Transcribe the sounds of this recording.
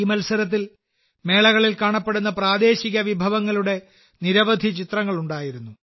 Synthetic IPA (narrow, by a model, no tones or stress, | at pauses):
imɐlsɐɾɐt̪̬ːil | me̞ːɭɐɣɐɭilkaːɳɐpːe̞ɽunːɐpraːd̪e̞ːɕiɣɐʋibʱɐʋɐŋːɐɭuɽe̞ | niɾɐʋɐd̪ʱit͡ɕit̪rɐŋːɐɭuɳɖaːjiɾunːu